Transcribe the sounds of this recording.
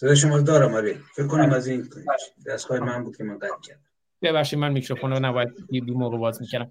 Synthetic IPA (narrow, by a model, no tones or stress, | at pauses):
sed̪eʃ̬omɒːɾod̪ɒːɾæmɒɾefekʰːonæmæzinʃd̪æskɒːjemænmbuːd̪̥̚kʰʲemænɡæt̪̚cʰæɾd̪æ | b̥eβæχʃiːmænmikɾofonnæbɒːjæd̪̚d̪umoːɣebɒːzmiːcʰæɾæm